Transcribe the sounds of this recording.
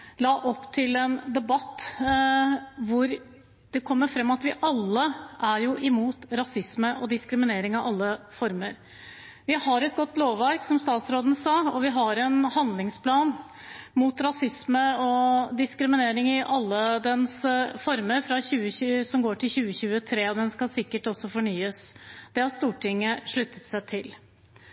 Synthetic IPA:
lɑːʔɔpːt̪ʰɪlɛnd̪ɛbɑt̪ː | ʋʊɾ | d̪̥ɛkʰɔmːəɾfɾɛmːɑt̪ʋɪʔɑlːəʔæɾjʊʔɪmuːt̪ɾɑsɪsməʔɔd̪ɪskɾɪmɪneːɾɪŋɑʋɑlːəfɔɾməɾ | ʋɪhɑɾɛt̪̚ɡɔt̪ːloːʋːæɾksɔmst̪ɑːt̪sɾoːd̪nəsɑːɔʋɪɦɑɾɛnhɑnd̪lɪŋspʰlɑːn | mut̪ɾɑsɪsməɔd̪ɪskɾɪmɪneːɾɪŋɪʔɑlːəd̪ɛnsfɔɾməɾfɾɑçʉːəçʉsɔmɡoːʈɪlçʉːəçʉːət̪ʰɾeːɔd̪ɛnskɑsɪkːəʈɔsːɔfɔɳyːəsd̪̥ɛhɑɾst̪uːʈʰɪŋːəʂɭʉt̪ʰːət̪sæɪt̪ʰɪl

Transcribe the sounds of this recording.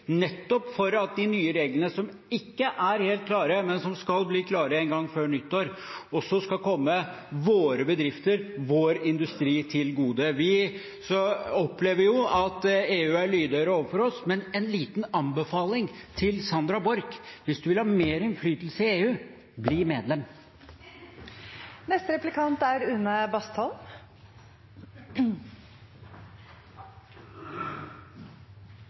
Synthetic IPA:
nɛt̪ːɔpfɔɾɑt̪̚d̪ɪnyːəɾeːɡlənəsɔm | ɪkːəʔæɾheːlt̪̚kʰlɑːɾəmɛnsɔmskɑlbliːkʰlɑːɾəɛnɡɑŋːføːɳʏt̪ːoːɾɔsɔskɑkʰɔmːə | ʋoːɾəbəd̪ɾɪft̪əɾʋoːɾɪnd̪ʉst̪ɾiːt̪ʰɪlɡuːd̪əʋɪ | sɔɔpːleːʋəjʊɑt̪eːʉːæɭyːd̪œʏɾəoːʋəɾfɔɾɔsmɛnɛnliːt̪nɑmbəfɑːlɪŋt̪ʰɪlsɑnd̪ɾɑbɔɾkʋɪsd̪ʉʋɪlhɑmeːɾɛnflyːt̪l̩səɪeːʉː | bliːmeːd̪lɛm | nɛst̪əɾɛplɪkʰɑnt̪æɾʉnːəbɑst̪hɔl

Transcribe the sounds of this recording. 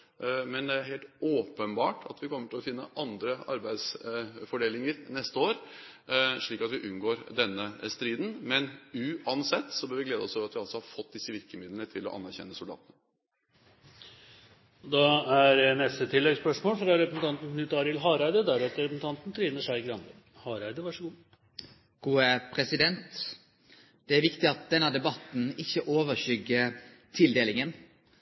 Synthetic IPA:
mɛnd̪ɛæɾheːlt̪oːpənbɑːʈʰɑt̪ʋɪkʰɔmːəʈʰɪlɔfɪnːə̰ʔɑnd̪ɾəɑ̰ɾbæɪd̪sfɔɖeːlɪŋəɾnɛst̪əoːɾ | ʂɭiːkɑt̪ʋɪʔʉnɡoːɾd̪ɛnːəst̪ɾiːd̪n̩mɛnʉɑnsɛt̪ːsɔbøːɾʋɪɡleːd̪əɔsoːʋɾɑt̪ʋɪɑlsɔhɑɾfɔt̪̚ːd̪ɪsːəʋɪɾkəmɪd̪lənət̪ʰɪlɔ̰ʔɑ̰nːæɾçɛ̰nːəsʊld̪ɑ̰ːt̪ənə | d̪ɑæɾnɛst̪ət̪ʰɪlːɛɡspœʂmoːlfɾɑɾɛpɾəsn̩t̪ɑnt̪n̩nʉt̪ɑːɾɪlɦɑːɾæɪd̪əd̪æɾɛt̪əɾɛpəsn̩t̪ɑnt̪n̩t̪ʰɾiːnəʂæɪɡɾɑnd̪ə | hɑːɾæɪd̪əʋɑʂəɡuː | ɡ̥uːəpʰɾɛsɪd̪ɛnt̪ | d̪̥ɛæɾʋɪkt̪ɪɑt̪̚d̪ɛnːəd̪ɛbɑt̪n̩ɪçːəʔoːʋəɾçʏɡːə | t̪ʰɪld̪eːlɪŋən

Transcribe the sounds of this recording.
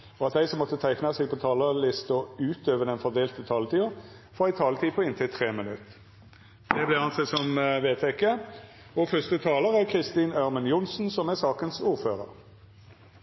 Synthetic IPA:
ɔɑt̪̚d̪æɪsɔmːɔt̪ːət̪ʰæɪknɑseːɡ̚pʰɔt̪ʰɑːləlɪst̪ɔʉːt̪øːʋəd̪ɛnfɔʁd̪eːlt̪ət̪ʰɑːlət̪iːəʁ | fɔʁɪt̪ʰɑːlət̪ʰiːpʰɔɪnt̪ʰɪlt̪ʰʁeːmənʉt̪ | d̪̥ɛblɛɑnsɛsɔmʋeːt̪ʰɛkə | ɔfʏst̪ət̪ʰɑːləʁæʁkʰʁɪst̪iːnøʁmənjʊnsn̩sɔmæsɑːkənsuːʁføːʁə̰ʁ

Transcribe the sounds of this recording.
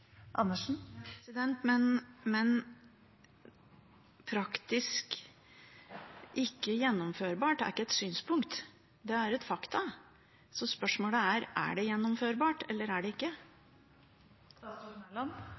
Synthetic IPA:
ʔɑ̰nːəʂn̩sɪd̪ɛnt̪mɛnmɛn | pʰɾɑkt̪ɪsk | ʔɪkːəjɛnːɔmføːɾbɑːʈæ̰ɾɪkːəɛt̪syːnspʰʊŋkt̪ | d̪ɛæɾɛt̪fɑkt̪ʰɑ | sɔspœʂmoːləæɾæ̰ɖɛjɛnːɔmføːɾbɑːʈɛlːəɾæɖɛɪkːə | ɑn

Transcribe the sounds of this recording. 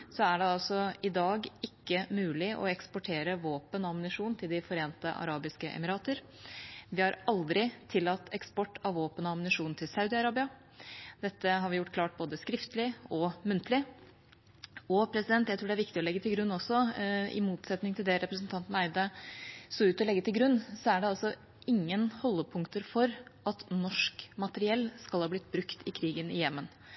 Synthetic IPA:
sɔæɖɛɑlsɔɪd̪ɑːɡɪkːəmʉːlɪʔɔ̰ɛkspɔʈʰeːɾəʋoːpənɑmnɪʂuːnnt̪ʰɪld̪ɪfɔɾeːnt̪əʔɑ̰ɾɑːbɪskəʔɛ̰mɪɾɑːt̪əɾ | ʋɪhɑɾɑld̪ɾɪt̪ʰɪlːɑt̪ːɛkspɔʈːɑʋʋːoːpənɔɑmnɪʂuːnnt̪ʰɪlsɑʉd̪ɪɑɾɑːbɪɑ | d̪̥ɛt̪ːəɦɑɾʋɪjʊʈːkʰlɑːʈ̚boːd̪əskɾɪft̪əlɪɔmʉnt̪əlɪ | ɔpʰɾɛsɪd̪ɛnt̪jæɪt̪ɾuːɖɛæɾʋɪkt̪ɪɔlɛɡːət̪ʰɪlɡɾʉnːɔsɔɪ̰muːt̪sɛt̪nɪŋt̪ʰɪld̪ɛɾɛpɾəsnt̪ʰɑnt̪n̩æɪd̪ɑsoʉːt̪ɔlɛɡːət̪ʰɪlɡɾʉnːsɔæɖɛɑlsɔ | ɪŋːənhɔlːəpʰʊŋkt̪əɾfɔɾɑt̪nɔʂkmɑt̪əɾɪɛlːskɑlhɑːblɪt̪̚ːbɾʉkt̪ɪkʰɾiːɡənɪjɛmːən

